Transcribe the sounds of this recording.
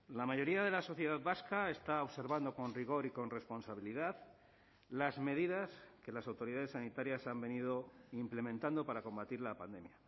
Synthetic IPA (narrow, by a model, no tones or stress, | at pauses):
lamaʝo̞ɾiað̞e̞laso̞θje̞ð̞aðβaskaest̪ao̞βse̞ɾβand̪oko̞nriɣ̞o̞ɾiko̞nre̞spo̞nsaβ̞iliðað | lazme̞ð̞iðaske̞lasawt̪o̞ɾiðaðesanit̪aɾjasambe̞nið̞o̞imple̞mẽnt̪and̪o̞paɾako̞mbat̪iɾlapand̪e̞mja